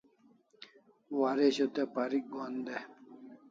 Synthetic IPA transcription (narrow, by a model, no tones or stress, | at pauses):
waɾeɕot̪epaɾik̚ɡond̪e